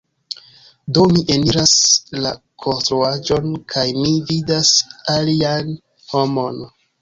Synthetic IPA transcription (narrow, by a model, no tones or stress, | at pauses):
do̞miʔe̞niɾasla̰ | kʰo̞nstɾuad͡ʒo̞nkʰajmividasalian | ho̞mo̞n